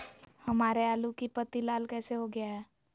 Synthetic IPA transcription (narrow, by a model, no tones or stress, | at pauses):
hɐmaːɾeaːlukipət̪ilaːlkɛːseɦoɡɪjaɦɛː